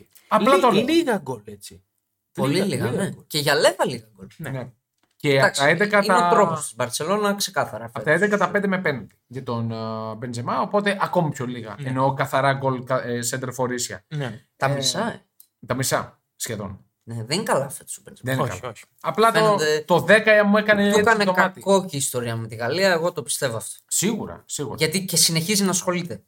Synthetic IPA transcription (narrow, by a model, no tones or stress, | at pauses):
ɐplɐt̪oliɣɐɡolet͡si | oliliɣɐnɡceʝɐlevɐliɣɐɡolnene | ceɐɐksɐed̪ekɐit̪ɐnt̪ɾopusibɐɾt͡se̞lo̞nɐksekɐθɐɾɐfɐet̪ɐed̪ekɐt̪ɐpend̪emepenɐd̪e̥ʝɐt̪onbenzemɐopo̞t̪e̞ʔɐko̞mipçoliɣɐ̰eno̞kɐθɐɾɐɡo̞lkɐsend̪eɾfo̞ɾisçɐ̰nt̪ɐmisɐ | t̪ɐmisɐ | sçe̞ðo̞̰n | neðenkɐlɐfet̪est̪obenzðekɐ̰lo | ɐplɐt̪enod̪et̪o̞ðe̞kɐeɐmuekɐnekɐneokɐt̪iko̞ciːst̪o̞ɾiɐmet̪iɣɐliɐeɣo̞t̪o̞pi̥st̪e̞voɐft̪osiɣuɾɐ̰siɣuɾɐʝɐt̪ice̞sineçizinɐsxo̞lit̪e̞